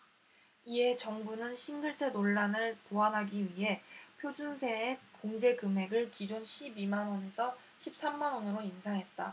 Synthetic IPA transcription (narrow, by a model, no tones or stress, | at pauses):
iɦe̞t͡ɕʌŋbunɯnɕʰinɡɯɭs͈ʰe̞doɭːanɯɭtoɦanɦaɡiɥiɦe̞pʰjod͡ʑunsʰe̞ːkoŋd͡ʑe̞ɡɯmɦe̞ɡɯɭkid͡ʑonɕʰibimanwʌne̞sʰʌ | ɕʰip̚s͈amːanwʌnɯɾoinsʰaŋɦe̞t̚t͈a